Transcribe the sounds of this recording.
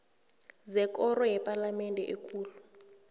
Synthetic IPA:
zɛkɔrɔɦɛpʼalamɛndʱɛ̰ʔikʰuːlu

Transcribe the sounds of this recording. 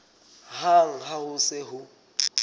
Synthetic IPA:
haŋ̩ɦaɦʊsɪɦʊ

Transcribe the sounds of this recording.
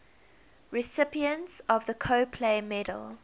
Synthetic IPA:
ɹɪsɪpiə̃ntsɔvðəkʰoʊpʰleɪmɛɾə̰lˠ

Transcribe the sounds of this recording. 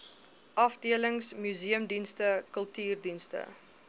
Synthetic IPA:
ʔɐfdiələŋsmyziəmdinstəkəlˠtyːrdinstə̰

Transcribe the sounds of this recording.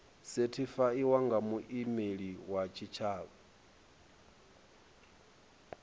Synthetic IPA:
setʰifaiwaŋɡamuʔimeɺiwat͡ʃʰit͡ʃʰaːβɔ

